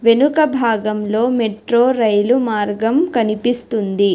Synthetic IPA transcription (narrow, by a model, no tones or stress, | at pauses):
ʋe̞nukɐbʱaːɡɐmlo̞ːmeʈɾoːɾɐjlumaːɾɡɐmkɐnipist̪und̪i